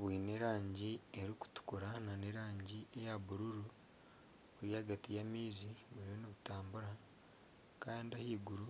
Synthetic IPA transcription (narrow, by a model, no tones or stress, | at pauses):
βwiːne̞ɾaːɲɟieɾiku̥tu̥kuɾananeɾaːɲɟiejaβuɾuɾu | uɾiaɡatijamiːziβuɾiβoniβutaːmbuɾa | kaːndiahiːɡuɾu